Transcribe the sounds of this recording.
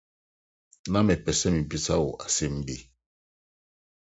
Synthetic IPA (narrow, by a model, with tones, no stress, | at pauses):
nã˦mɛ˨pɛ˨sɛ˦mi˨bi˦sa˦wʊ̰˨ʔa˨se˦m̩˦bi˦˨